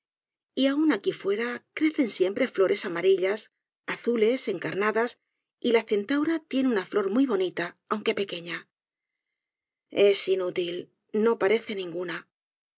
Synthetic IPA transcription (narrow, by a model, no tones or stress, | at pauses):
iaunakifwe̞ɾakɾe̞θe̞nsje̞mpɾe̞flo̞ɾʔe̞samaɾiʎas | aθule̞se̞ŋkaɾnaðas | ilaθe̞nt̪awɾat̪je̞neunaflo̞ɾmujβ̞o̞nit̪aawŋke̞pe̞ke̞ɲa | e̞sinut̪il | no̞paɾe̞θe̞nĩŋɡuna